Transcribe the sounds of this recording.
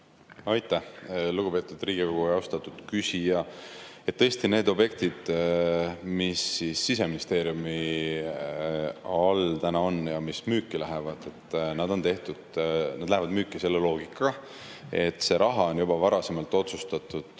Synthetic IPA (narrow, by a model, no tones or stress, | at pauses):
ɑjt̪ˑːæhluɡ̥upe̞ːt̪ːˑud̪riːɡ̥iko̞ɡ̥uɑwst̪ɑt̪ːˑud̪̥kysʲijɑe̞t̪t̪ːɤest̪ine̞ːd̪o̞bje̞kt̪id̪̥ | misːisːise̞minist̪e̞ːɾjumi | ɑlt̪ænɑo̞njɑmismyːkːilæɦe̞vɑd̪̥e̞t̪ːnɑd̪̥o̞nt̪e̞ht̪ud̪̥nɑd̪læɦevɑd̪myːkːˑise̞lːelo̞ːɡ̥ikːˑɑɑ | e̞t̪ːse̞ɾɑɦɑo̞njubɑvɑɾɑse̞mɑlt̪ːˑo̞t̪sust̪ɑt̪ːˑud̪̥